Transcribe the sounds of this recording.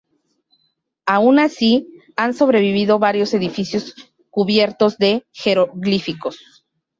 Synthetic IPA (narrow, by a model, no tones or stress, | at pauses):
aunasi | anso̞βɾe̞βiβiðo̞βaɾjo̞se̞ðifisjo̞s | kuβje̞ɾt̪o̞zðe̞xe̞ɾoɣlifiko̞s